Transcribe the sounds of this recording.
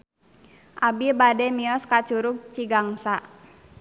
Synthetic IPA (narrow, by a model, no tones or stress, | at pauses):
ʔabibadɛmiɔskat͡ʃuɾʊk̚t͡ʃiɡaŋsa